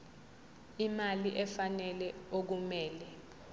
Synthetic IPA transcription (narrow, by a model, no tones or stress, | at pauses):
imaliʔɛfanɛlɛok̬umɛːlɛ